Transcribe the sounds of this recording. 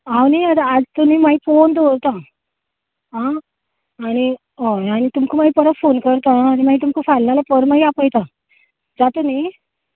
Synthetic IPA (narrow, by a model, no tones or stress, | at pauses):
awniad̪ad͡zt̪umimaifond̪oɾt̪ã | ɦãː | ñi | ɦoañit̪umkʰumaipəɾəfonkəɾt̪ãːɾimaɦit̪̬umkʰufalnalapəɾmaɦiapəjt̪a | d͡zat̪umi